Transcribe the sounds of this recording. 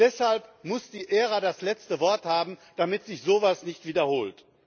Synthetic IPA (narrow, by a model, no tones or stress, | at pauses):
d̥ɛshalpmʊsd̥iːʔeːʁadaslɛt͡stəvɔɐthaːbm̩d̥amɪtz̥ɪçz̥oːvasnɪçtv̥iːdɐhoːlt